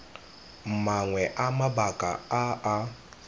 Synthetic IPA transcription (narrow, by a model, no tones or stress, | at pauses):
m̩maŋwɛʔamabakʼa̰aa